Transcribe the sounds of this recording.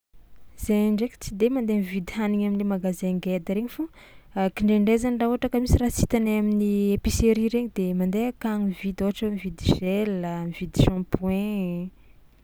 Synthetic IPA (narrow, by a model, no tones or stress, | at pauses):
z̥eɳɖ͡ʐeki̥t͡sid̪emand̪emivid̪ihaniɲaminimaɡazeŋɡed̪əɾeɲifu | kiɳɖ͡ʐeɳɖ͡ʐezanraɦuɦaʈ͡ʂakəmisiɾasi̥t̪anaminiepiseɾiɾeɲid̪emand̪eakaŋivid̪oaʈ͡ʂamivid̪iʒelːamivid̪iʃɑ̃pwɛ̃